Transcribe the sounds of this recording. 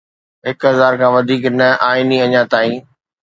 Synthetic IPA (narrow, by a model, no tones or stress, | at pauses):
ɦɪkɦɐzaːɾkʰãːʋɐd̪ʱiːknɐaːɪniɐɲãt̪aːĩː